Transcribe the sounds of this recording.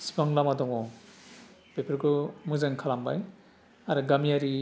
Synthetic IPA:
si̥paŋlamadɔŋɔ | pepʰiɾɡɯmuzaŋkʰalambaj | aɾɯɡamiaɾi

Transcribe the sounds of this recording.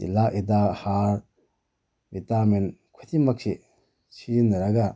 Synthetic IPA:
ḭlaʔidahaɾ | bitamenkʰotʰimakse | siɾinaɾaɡa

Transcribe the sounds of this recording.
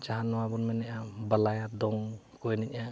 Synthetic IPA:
t͡ʃaɦanɔwabɔnmɛnɛʔabalajad̪ɔŋ | kɔjnic̚a

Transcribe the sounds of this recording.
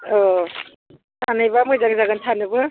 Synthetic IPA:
ɔ | tʰanajbamɯjzaŋzaɡantʰanɯbɯ

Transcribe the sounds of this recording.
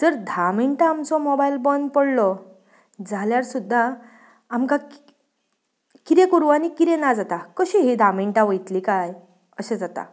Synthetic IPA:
t̪əɾd̪ʱamiɳʈaːmt͡sɔmɔbailbənd̪̚pəɽlɔ | d͡zʱaljaɾsud̪ʱːaː | mkak | kiɾẽkəɾuʋanikiɾẽnad͡zat̪akəɕiɦid̪ʱamiɳʈãʋəjt̪liːkaj | əɕed͡zat̪a̰

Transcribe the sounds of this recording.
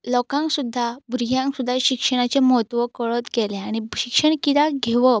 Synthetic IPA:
lɔkãŋksud̪ʱːabɾiɦjãŋksud̪ʱːaɕikʂəɽ̃at͡ɕemɔɦət̪ʋəkəɭət̪ɡeleaɽ̃iɕikʂəɳ̃kit̪aɡʱeʋə

